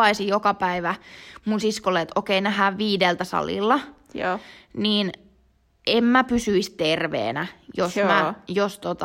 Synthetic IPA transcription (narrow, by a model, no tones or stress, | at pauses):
ɑisijokɑpæiʋæmunsiskolːeet̪ʔokeinæhæːʋʋiːdelt̪æsɑ̰lḭlːɑ | niːn | emmæpysyist̪erʋḛːnæjosmæjost̪ot̪ɑ